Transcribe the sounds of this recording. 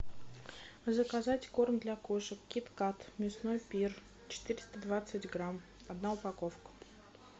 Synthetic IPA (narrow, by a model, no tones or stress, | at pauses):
zəkazatʲkormd̪lʲakoʂəkkʲit̪kat̪mʲɪsnojpʲir | t͡ɕɪ̥t̪ɨɾʲɪ̥st̪əd̪vat̪sɨtʲɡɾam | ɐd̪naʊpɐkofkə̥